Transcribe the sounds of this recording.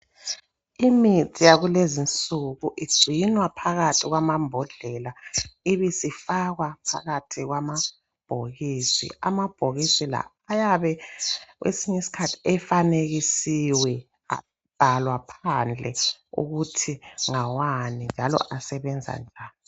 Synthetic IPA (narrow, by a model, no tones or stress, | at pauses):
imitʰʼijaɣulezint͡sʼuɣuʔiɡ͡ǀʱinwapʰaɣatʰiɣwamambʱɔɮɛlaiβisifaɣwapʰa̰ɣatʰiɣwama | b̥ʱoɣiːsḭʔa̰mab̥ʱoɣisila̰ːjaβɛɣwʔḛsiɲesi̥kʰatʰi̥ɛfaneɣisiwɛ | a̰ | b̥ʱalwapʰand͡ɮʱɛṵɣutʰiŋawanind͡ʒʱalɔ̰ʔasɛβɛnd͡zʱa̰nd͡ʒʱaːni